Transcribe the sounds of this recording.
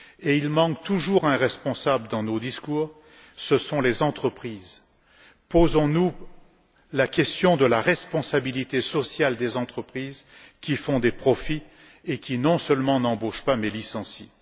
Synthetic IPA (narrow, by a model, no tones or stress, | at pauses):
eilmɑ̃kt̪uʒuʁɛ̃ʁɛspɔ̃sabləd̪ɑ̃nod̪iskuːʁ | səsɔ̃lezɑ̃t̪χəpχiːz | pozɔ̃nu | lakʲɛst̪jɔ̃d̪əlaʁɛspɔ̃sabilit̪esɔsjald̪ezɑ̃t̪χəpχizkʲifɔ̃d̪epχɔfi | ekʲinɔ̃səlmɑ̃nɑ̃boʃpamɛlisɑ̃si